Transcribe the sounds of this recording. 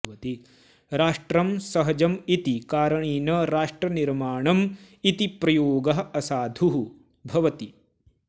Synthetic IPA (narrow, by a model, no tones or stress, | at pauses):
ɐt̪i | ɾaːʂʈɾɐmsɐɦɐd͡ʒɐmit̪ikaːɾɐɳiːnɐɾaːʂʈɾɐniɾmaːɳɐm | it̪ipɾɐjoːɡɐɦɐɐsaːd̪ʱuɦu | bʱɐʋɐt̪i